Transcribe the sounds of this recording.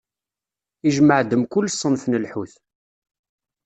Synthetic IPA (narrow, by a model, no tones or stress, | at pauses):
iʒməʕd̪əmkʊlːsˤːənfnəlħuθ